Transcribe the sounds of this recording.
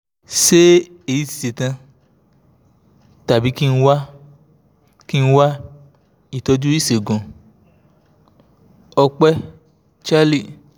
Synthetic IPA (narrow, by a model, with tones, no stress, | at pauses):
ʃe˦ | e˨ji˨˦ti̥˨ti˨tã˧ | ta˨bi˨˦ki˦˧n̩˦˧˦wa˦ | ki˦˧n̩˦wa˦ | i˦˨tɔ˧d͡ʒu˦i˦˨se˨ɡũ˨ | ɔ˧k͡pɛ˦ | t͡ʃa˦li˦˨